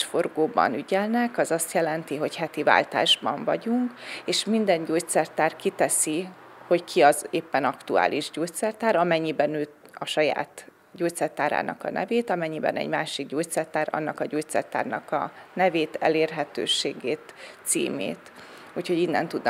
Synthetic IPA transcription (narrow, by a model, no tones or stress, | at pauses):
ʃfo̞rɡoːbɒ̰nyɟɛlnɛkɒzɒst̪jɛlɛnt̪iɦo̞chɛt̪iva̰ːlt̪a̰ːʒbɒɱvɒ̰ɟuŋkeːʃmind̪ɛɲɟoːt̪sɛrt̪aːrkit̪ɛsi | ho̞ckʰiɒzeːpːɛnɒkt̪ua̰ːliʒɟoːct̪sɛrt̪aːɾɒmɛɲːibɛnøːt̪ | ɒʃɒja̰ːt̪ | ɟoːct̪sɛrt̪aːɾa̰ːnɒ̰kɒ̰nɛ̰veːt̪ɒmɛɲːibɛ̰nɛ̰ɟmaːʃiɡɟoːct̪sɛrt̪aːɾɒ̰nːɒkɒɟoːt̪sɛ̰rt̪a̰ːrnɒ̰kɒ̰nɛveːt̪ɛ̰leːrɦɛt̪ø̰ːʃeːɡeːt̪sḭːmḛːt̪ | uːcho̞ɟinːɛ̰nt̪ud̪n